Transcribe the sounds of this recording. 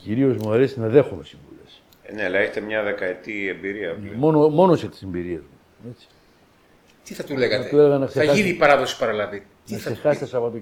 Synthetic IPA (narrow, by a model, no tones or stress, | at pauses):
ciɾio̞zmuɐɾesinɐðe̞xumesiɱvṵles | nelɐeç̥t̪emɲɐðe̞kɐet̪iembiɾiɐmonomo̞noset̪i̥se̞mbiɾiezmu | e̞t͡si̥ | t̪iθɐt̪uleɣɐɐt̪t̪uleɣɐnɐkseɐɐinipɐɾɐðosi̥pɐɾɐlɐvi | niɐkssexɐset̪esɐpɐt̪o